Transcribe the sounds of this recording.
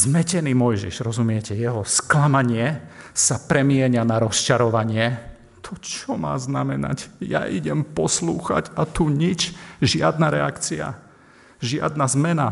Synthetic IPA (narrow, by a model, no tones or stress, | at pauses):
zmɛcɛniːmɔjʒḭʃʒɾɔzumɪɛcɛjɛɦɔsklamaɲɪɛsapɾɛmɪɛɲanaɾɔst͡ʃaɾɔʋaɲɪɛ | t̪ʰɔt͡ʃɔma̰ːznamɛna̰cja̰ʔiɟɛmpɔsluːxa̰ɟat̪uɲit͡ʃʒɪad̪naɾɛakt͡sia̰ | ʒɪa̰d̪nazmɛna